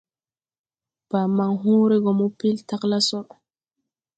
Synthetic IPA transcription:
b̥a˨ma˨ŋɦuː˦ɾɛ˦ɡɔ˨mu˦pi˦lta˦kla˦sɔ˦ɾ

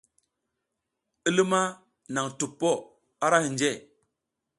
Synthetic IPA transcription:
i˦li˦ma˦ | na˨ŋtu˨pːo˦˨ | a˦ɾa˦hi˨nd͡ʒe˦˨

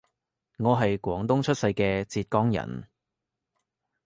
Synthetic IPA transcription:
ŋɔː˨˧ɦɐ˨jkʷwɔː˨˥ŋt̪ʊ˥ŋt͡ʃʰɵ˥t̚sɐ˧jkɛː˧t͡siː˧t̚kɔː˥ŋjɐ̰˨˩n

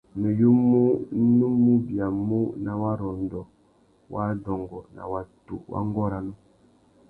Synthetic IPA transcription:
ne˨ju˦mu˦nu˦mːu˦bi˨a˨mu˦na˨wa˦ɾɔ˨n˨dɔ˨ | wa˦dɔ˨ŋɡɔ˨na̰˨wa˨tṵ˨wʔa̰˦ŋ˦ɡɔ˦ɾa˨nu˦

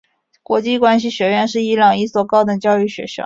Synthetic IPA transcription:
kwɔ̰˧˥t͡ɕi˥˧kwa˥nɕ̬i˨˩ɕɥɛ˧˥ɥɛ˥˧nʂɻ̩˥˩i˧˥lɑ˨˩ŋi˥˩swɔ˨˩kɑ˥˩ʊd̪ə˨t͡ɕjɑ˥˧ʊy˥˩ɕɥɛ̰˧˥ʂjɑ̰˥˦

